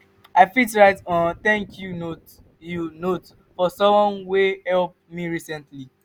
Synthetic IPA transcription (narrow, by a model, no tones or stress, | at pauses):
aɪfitɹaɪtɔ̃nt̪ɛ̃ŋkʰju | junot | fɔsɔ̃mwɔ̃nwehɛlˠp̚miɹisɛ̃ntli